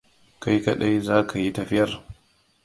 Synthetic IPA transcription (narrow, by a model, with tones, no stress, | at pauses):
ka˦jkɐ˦ɗa˦jzaː˦kʰa˨ji˦tɐ˨ɸɪ˦jɐ˨r